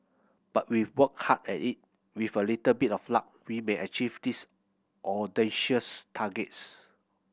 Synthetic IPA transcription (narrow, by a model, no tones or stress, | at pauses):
b̥at̚wiwək̚hatɛ̰tit̚ | wifəlitəbitɔfla̰k̚wimẽʔət͡ʃivdis | ʔɔdɛ̃nʃəstʰaɡɛt̚s